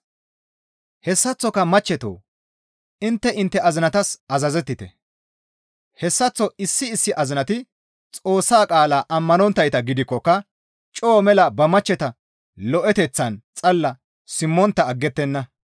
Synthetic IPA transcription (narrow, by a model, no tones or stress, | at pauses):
hɛsːɐt͡sːɔkːɐmɐt͡ʃːɛt̪o̰ː | ɪnt̪ːɛʔɪnt̪ːɛɐzɪnɐt̪ɐsʔɐzɐzɛt̪ːɪt̪ɛ | hɛsːɐt͡sːɔɪsːɪːsːɪʔɐzɪnɐt̪ɪ | t͡sʼo̞ːsːaːkʼaːlaːʔɐmːɐnɔnt̪ːɐjt̪ɐɡɪd̪ɪkːɔkːɐ | t͡ʃʼoːmɛlɐbɐmɐt͡ʃːɛt̪ɐ | lɔʔɛt̪ɛt͡sːɐnt͡sʼɐlːɐ | sɪmːɔnt̪ːɐːɡːɛt̪ːɛnːɐ